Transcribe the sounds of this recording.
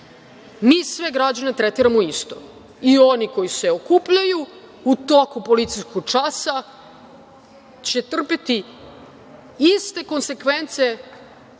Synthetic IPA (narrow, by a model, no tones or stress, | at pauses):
miːsʋeɡɾad͡ʑane̞t̪ɾet̪iɾamoist̪o̞̰ | io̞niko̞jiseo̞kuːpʎaju | ut̪okupo̞lit̪sijskoɡ̚t͡ʂasa | t͡ɕe̞t̪r̩pet̪i | ist̪e̞ko̞nse̞kʋent̪se